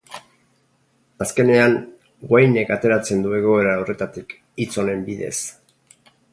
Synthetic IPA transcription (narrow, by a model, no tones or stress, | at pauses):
aske̞ne̞aŋ | ɡwajne̞kat̪e̞ɾat͡se̞nd̪ue̞ɣ̞o̞e̞ɾaore̞t̪at̪ik | it͡so̞ne̞mbiðe̞̰s